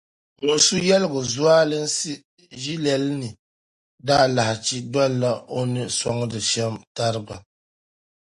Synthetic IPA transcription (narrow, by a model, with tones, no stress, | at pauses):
ŋʊ˨su˦jɛ˦lɡʊ˨zu˦aː˦lɨ˦n̩˦sɨ˦ | ʒi˦lɛ˨lnɨ˨ | daː˦la˨ha˨t͡ʃi˦da˦lːa˦o˦nɨ˦sa˦ŋ˦dɨ˨ʃɛ˦mta˦ɾɨ˦ba˨